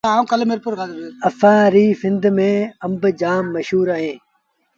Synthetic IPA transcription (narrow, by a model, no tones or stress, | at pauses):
aːũːkɐlmɪɾpʊɾkaːd̪ɐfaːɾiːfɪnd̪mẽːɐmbd͡ʒaːmːəʃɦuːɾaːɦẽː